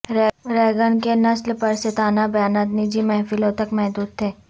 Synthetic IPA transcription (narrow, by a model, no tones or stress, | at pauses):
ɾɾɛːɡənkenɐslpɐɾsɪt̪aːnabjaːnat̪nid͡ʒimɛɦfɪlõt̪ɐkmɛɦd̪uːd̪̚t̪ʰeː